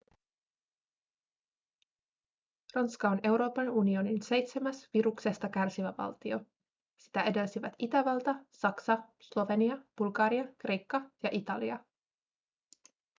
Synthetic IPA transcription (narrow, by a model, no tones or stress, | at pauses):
rɑnskɑo̞ne̞wɾo̞ːpɑnunio̞ninse̞jt̪se̞mæsʋiɾukse̞st̪ɑkærsiʋæʋɑ̰lt̪io̞ | si̥t̪æe̞de̞lsiʋæt̪it̪æʋɑlt̪ɑsɑksɑslo̞ʋe̞niɑb̥ulɡɑːɾiɑkre̞jkːɑjɑʔit̪ɑliɑ